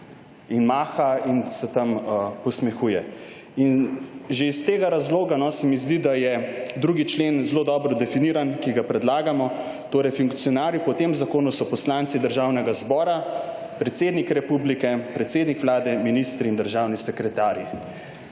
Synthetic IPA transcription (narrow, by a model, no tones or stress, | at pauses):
inmaːxainsɛt̪ɐmpɔsmɛxuːjɛ | inʒeist̪eːɡaɾazloːɡanɔsɛmizd̪id̪ajɛd̪ɾuːɡit͡ʃlenzloːd̪ɔːbɾɔd̪ɛfiniːɾankiɡapɾɛd̪laːɡamɔ | t̪oːɾɛjfuŋkt̪sijɔnaːɾjipɔt̪emzakoːnusɔpɔslant̪sid̪əɾʒaːwnɛɡazbɔːɾa | pɾɛt̪seːd̪nikɾɛpublikɛpɾɛt̪seːd̪nikʋlaːd̪ɛminist̪ɾiːnd̪əɾʒawnisɛkɾɛt̪aːɾji